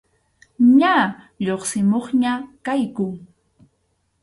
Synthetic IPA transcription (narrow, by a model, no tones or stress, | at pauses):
ɲa | ʎoχsɪmoχɲakajkʊ